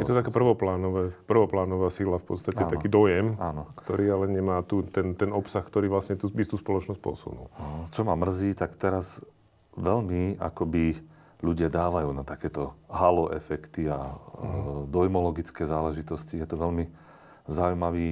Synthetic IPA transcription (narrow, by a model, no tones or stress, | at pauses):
jɛɔt̪akɛːpr̩ʋɔplaːnɔʋɛːpr̩ʋɔplaːnɔʋaːsilafpɔ̰t̪st̪acɛakiːd̪ɔjɛmankt̪ɔɾiːalɛɲɛmaːt̪ut̪ɛnt̪ɛnɔpsaxkt̪ɔɾiːʋlasɲɛt̪uːbist̪uːspɔlɔt͡ʃnɔsc̚ʲpɔ̰sṵnṵlt͡ʃɔmamr̩ziːt̪akt̪ɛɾaz | ʋɛʎmia̰kɔbi | ʎuɟɪad̪aːʋajuːnat̪akɛːt̪ɔɦalɔʔɛfɛkt̪ia̰ | d̪ɔjmɔlɔɡit͡skɛːzaːlɛʒit̪ɔscijɛt̪ɔʋɛlmi | zaujmaʋiː